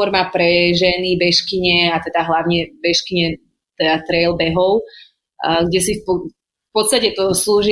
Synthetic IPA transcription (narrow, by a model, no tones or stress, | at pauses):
ɔɾmapɾɛʒɛnibɛʃkiɲɛat̪ɛd̪aɦlaʊɲɛbɛʃkiɲɛ | t̪ɛd̪at̪ɾɛlbɛɦɔʊ | ɡɟɛsifpɔ | fpɔt̪st̪acɛt̪ɔsluːʒi